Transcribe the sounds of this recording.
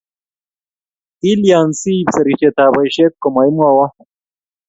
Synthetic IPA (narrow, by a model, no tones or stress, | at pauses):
iljaːnsiːbsɐɾiɕet̪aːbɐjɕekkomɐjmawa